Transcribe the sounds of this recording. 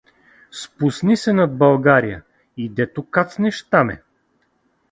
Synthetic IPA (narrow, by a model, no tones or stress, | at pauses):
spusnisɛnad̪̚bɐlˠɡaɾijə̰ | id̪ɛt̪okat̪snɛʃt̪amɛ̰